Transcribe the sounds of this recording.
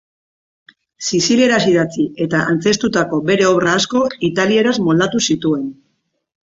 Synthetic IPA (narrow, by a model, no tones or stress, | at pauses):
sisile̞ɾasiðat͡sie̞t̪aʔant͡se̞st̪ut̪ako̞be̞ɾe̞o̞βraːsko̞it̪alie̞ɾazmold̪at̪usit̪ue̞n